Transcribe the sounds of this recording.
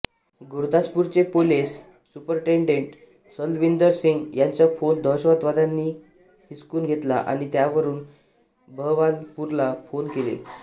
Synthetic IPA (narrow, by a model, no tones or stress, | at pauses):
ɡuɾd̪aspuɾt͡ɕepoles | supəɾʈeɳɖeɳʈ | səlʋind̪əɾsiŋɡjaɲt͡ɕafond̪ʱɔɕʋat̪ʋad̪anːiː | ɦiskuːnɡʱet̪laʔa̰ɽ̃it̪jaʋəɾuːn | bʱəʋalpuɾlafonkelḛ